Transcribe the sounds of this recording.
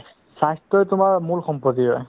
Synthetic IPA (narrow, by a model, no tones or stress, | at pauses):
sajstɔjtʊmaɹmulxɔmpɔt̬iɦɔj